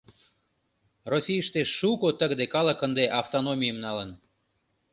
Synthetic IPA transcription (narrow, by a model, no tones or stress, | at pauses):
rosʲijəʃt̪eːukot̪əɣd̪ekɑlə̆kənd̪eʔɑft̪onomʲijəmnɑlən